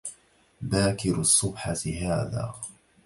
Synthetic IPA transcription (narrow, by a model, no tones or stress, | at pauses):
baːkɪɾʊsˤːʊbħat̪ɦaːða̰ː